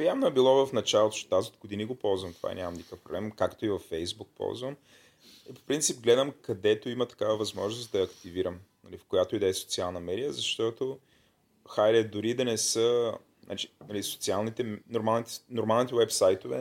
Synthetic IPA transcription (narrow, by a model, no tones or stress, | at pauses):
jamnoɛbilˠɔvɐfnɐt͡ʃalˠot̪o̥ʃt̪ot̪aziod̪̚ɡod̪iniɡopɔlˠzvɐmt̪o̥va̰ɛ̰ɲʲamɐmnikəfpɾoblɛmkakt̪oivɐfːɛjzbuk̚pɔ̰lˠzvəm | ipo̥pɾint̪sip̚ɡlɛd̪əmkɐd̪ɛt̪oimət̪ɐ̥kavəvɐzmɔʒnʊsd̪ɐɐkt̪iviɾəmnɐlifkojat̪oid̪ɛso̥t̪sialˠnɐmɛd̪ijəzɐʃt̪ɔt̪o | xajɾɛd̪ʊɾid̪ɐnɛsə | nʔa̰t͡ʃi̥nɐliso̥t̪sialˠnit̪ɛnoɾmalˠnit̪noɾmalˠnit̪ɛwɛpsajt̪ovɛ̰